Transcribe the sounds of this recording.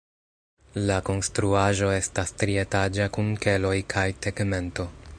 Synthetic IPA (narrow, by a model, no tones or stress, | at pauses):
lako̞nstɾuaʒo̞e̞stastɾie̞tad͡ʒakunke̞lo̞jkʰajteɡme̞nto̞